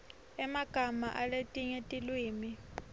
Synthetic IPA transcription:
ɛmaɡ̥ʱamaʔaletʼiɲetʼilwiːmi

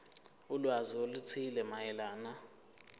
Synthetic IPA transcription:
ulwaziolut͡sʰilɛmajɛlaːna

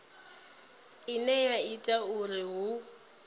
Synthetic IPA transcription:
ɪnɛjaitʼaʊrɪɦʊ

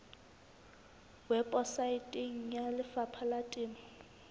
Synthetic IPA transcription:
wɛpʼɔsaɪtʼɪŋ̩jalɪfapʰalatʼɪːma

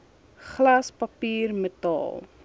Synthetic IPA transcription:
χlɐspɐpiːrmətɑ̰ːlˠ

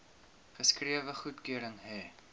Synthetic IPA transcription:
χəskriəvəχutkøəɾəŋɦɛː

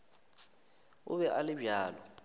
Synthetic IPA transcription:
ʊ̰βɛʔalɪbaːlɔ

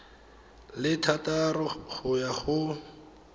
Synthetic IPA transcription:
lɪtʰatarɔχʊjaχʊ

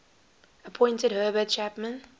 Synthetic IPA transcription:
əpʰɔ̃ɪ̃ntədɦɜːbəd̚t͡ʃʰæpmə̃n

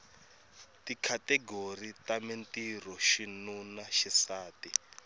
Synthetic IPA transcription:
tikʰatɛɡoritamentirɔʃinunaʃisaːti

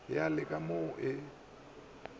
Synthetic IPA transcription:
jalɪkʼamoʔɪ

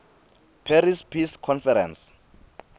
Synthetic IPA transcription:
pʰɛɾispʰiskʰɔnfɛɾɛ̰ns

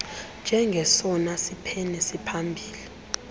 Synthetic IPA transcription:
nd͡ʒʱɛŋɡʱɛsɔnasipʰɛnɛsipʰambʱiːli

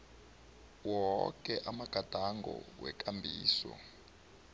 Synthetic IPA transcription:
wɔk̬ʼɛʔamaɡ̥ʱad̥ʱaŋɡɔwɛkʼambʱiːsɔ̰

